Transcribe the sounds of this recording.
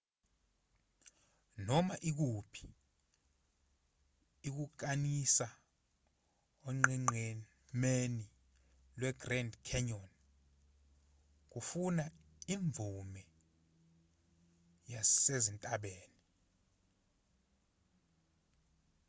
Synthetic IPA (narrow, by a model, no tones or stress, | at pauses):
nɔmaʔik̬upʰi̥ | k̬uk̬anisa | ɔŋ͡ǃɛŋ͡ǃe | meni | lwɛɡrɛndkʰɛɲɔn | k̬ufuna | iɱb̪vumɛ | jasezintʼaɓeːni